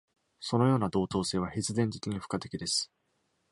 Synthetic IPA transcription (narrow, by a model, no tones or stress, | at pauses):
so̞no̞jo̞ːnad̪o̞ːt̪o̞ːse̞ːβaçizɨd̪ẽ̞nt̪ekʲiɲ̟iɸɯ̟̥kat̪e̞̥kʲid̪e̞sɨ̥